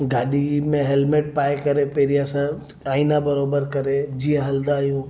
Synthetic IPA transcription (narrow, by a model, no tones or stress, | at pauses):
ɡaːɗimẽɦɛlmeʈ̚paːjkɐɾepeːɾijasã | aːinabəɾoːbəɾkɐɾed͡ʒijãɦɐld̪aːjũː